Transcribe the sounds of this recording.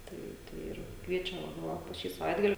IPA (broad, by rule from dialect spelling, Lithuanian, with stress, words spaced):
ˈtɐɪ ˈtɐɪ ɪr ˈkʋʲiɛt͡ʃʲɛ ˈʋɐ ˈʋɐ poː ˈʃʲiː sɐˈʋɐɪdɡɐlʲɪ